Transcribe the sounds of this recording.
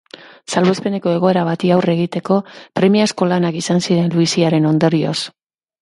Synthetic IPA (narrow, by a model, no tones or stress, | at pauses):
salβespe̞ne̞ko̞e̞ɣ̞o̞e̞ɾaβat̪iawre̞ɣit̪e̞ko̞pɾe̞miasko̞lanakisansiɾe̞nluisiaɾe̞no̞nd̪oɾio̞̰s